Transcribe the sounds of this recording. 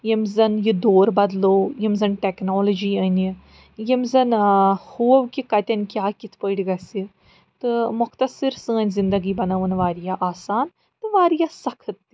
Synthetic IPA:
jimzɐnjid̪oːɾbɐd̪loːjimzɐnʈɛknoːlod͡ʒiːɐni | jimzɐnhuːɐʋkikɐt̪ʲɐnʲkʲjaːkit̪ʰpəːɖʲɡɐsi | t̪ɨmʊkt̪ɐsiɾsɨ̃ənʲzɪnd̪ɐɡiːbɐnaʋənʋaːɾijaʔaːsaːn | t̪ɨʋaːɾijasɐkʰət̪ː

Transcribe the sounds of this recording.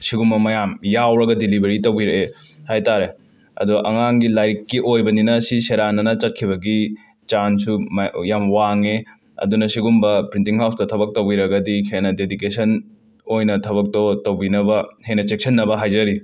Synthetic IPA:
siɡumbɐmɐjamjawɾɐɡɐdilibʱeɾitɐwbiɾɐʔe | hajtaɾe | ɐ̰duʔɐŋaŋɡilajkːiʔojbɐninɐsiseɾanɐnɐt͡ʃɐt̚kʰiβɐɡi | t͡ʃansujamwaŋe | ɐ̰dunɐsiɡumbɐpɾintiŋɦawstɐtʰɐbɐk̚tɐwbiɾɐɡɐdikʰenɐdedikesɐn | ojnɐtʰɐβɐk̚tɔtɐwbinɐbɐhenɐt͡ʃek̚sʰɐnːɐbɐɦajd͡ʒɐɾi

